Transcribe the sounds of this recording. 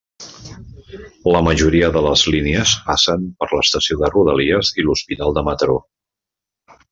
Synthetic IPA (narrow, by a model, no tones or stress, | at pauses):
ləməʒuɾiəðələzlineəzasənpəɾləst̪əsioðəruð̞əliəziluspit̪alˠd̪əmət̪ɾo̰